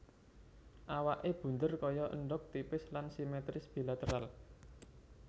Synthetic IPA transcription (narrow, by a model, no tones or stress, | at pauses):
ʔawaʔeb̥ṳnd̪ərkɔjɔʔə̰nɖʊk̚t̪ipɪslansimet̪ɾɪsb̥i̤lat̪əɾal